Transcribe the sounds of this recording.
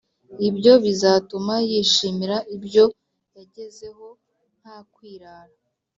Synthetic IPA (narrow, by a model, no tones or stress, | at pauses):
ibjo̞βizaːtumajiːʃiːmiɾaibjo̞ | jaɟe̞ze̞ɦo̞ | n̥hakwiːɾaːɾa